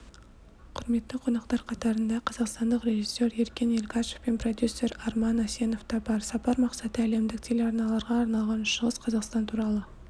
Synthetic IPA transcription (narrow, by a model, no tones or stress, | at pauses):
qʰʊɾme̞t̪ːɪqʰo̞nɑqt̪ɑɾqʰɑt̪ɑɾənd̪ɑqʰɑzɑqst̪ɑnd̪əqre̞ʒisːe̞ɾe̞ɾkʲe̞nelʲkɑʃe̥fpe̞npʰro̞d̪ʲjusːe̞ɾɑɾmɑnɑse̞no̞ft̪ɑbɑɾsɑpɑɾmɑqsɑt̪əæle̞md̪ɪk̚t̪ʰelʲeɑɾnɑlˠɑɾʁɑːɾnɑlˠʁɑnʃəʁəsqʰɑzɑqst̪ɑnt̪ʰuɾɑlˠə